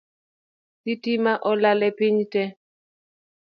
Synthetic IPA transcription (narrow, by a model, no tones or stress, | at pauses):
sitimaʔɔlalɛpɪɲtɛ